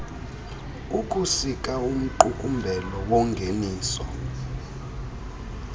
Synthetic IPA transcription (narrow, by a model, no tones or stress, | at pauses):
uk̬ʼusik̬ʼaum̩ǃukʼumbʱɛlɔwɔŋɡʱeniːsɔ̰